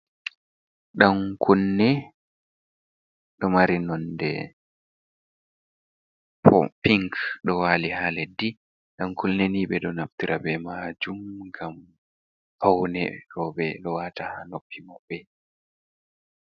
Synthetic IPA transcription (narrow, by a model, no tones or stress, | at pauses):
ɗaŋkʰunːɛ | ɗɔmaɾinɔndɛ̰ | pɔ̰piŋkɗɔwaːlihaledi | ɗamkulnɛniːɓɛɗɔnaftiɾʔabɛmad͡ʒumɡam | hawnɛɗɔɓɛɗɔwatahanopːimɔbɛ